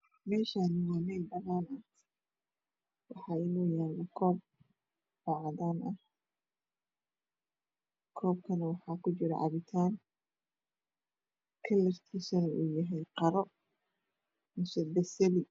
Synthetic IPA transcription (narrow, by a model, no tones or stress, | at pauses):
mɛːʃaːnɪjaːnɛjbɐnaːnɐ | wɑħɑːɪnuːjaːlɐkʰɔːb̚ | ɔʕɑðaːnʔɐh | kʰɔːb̚kʰɐnɐwɑħɑːkʰʊt͡ʃɪɾɐ̰ʕɑ̰βɪt̪ʰaːn | kʰɐlɐrt̪ʰiːsɐnɐʔuːjɐɦɛjqɑɾɔ | mʊsɐbɛsɐlɪ